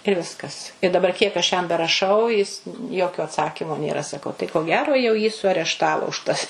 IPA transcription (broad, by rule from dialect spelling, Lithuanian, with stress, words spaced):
ɪr ˈʋʲɪskɐs ɪ dɐˈbɐr kʲiɛk ɐʃ jɛm bʲɛrɐˈʃɐʊ jɪs ˈjoːkʲoː ɐtˈsɑːkʲɪmoː nʲeːˈrɐ sɐˈkɐʊ tɐɪ koː ɡʲɛroː jɛʊ jiː sʊɐrʲɛʃˈtɑːʋoː ʊʃ tɐs